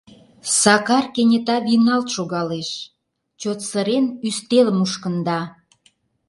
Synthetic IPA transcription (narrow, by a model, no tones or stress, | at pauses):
sɑkɑrkenʲet̪ɑβinɑlt̪ʃoɣɑleʃ | t͡ɕot̪səɾenyst̪eləmuʃkə̆nd̪ɑ